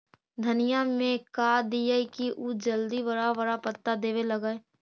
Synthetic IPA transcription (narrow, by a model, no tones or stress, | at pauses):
d̪ʱənɪjamẽkaːd̪ijəikiʔud͡ʒəld̪iʋəɾaʋəɾapət̪ːad̪eːʋeləɡae